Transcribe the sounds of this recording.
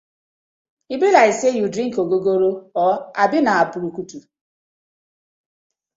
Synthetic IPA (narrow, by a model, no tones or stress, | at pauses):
ibɾilaɪsejudɾiŋ̩koɡoɡoɾoɔabɪnaapʊɾukutu